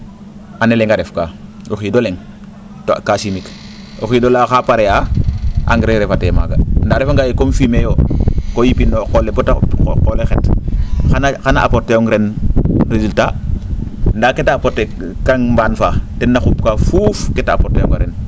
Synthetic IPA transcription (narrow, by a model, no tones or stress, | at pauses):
aneleŋɡaɾefkaː | oxidoleŋ | to̰kasimik | oxidolaxapaɾejaʔa̰ŋɡɾeɾefatema̰ɡandaːɾefaŋɡajekomfimejoːkojipinoqolebotaqolexetxanaxanaʔa̰poɾtːejoŋɡɾenɾezulta | ndaːketapotːe | kaŋmbaːnfaːtenːaxupkafufketaa̰poɾtːejo̰ŋɡaɾen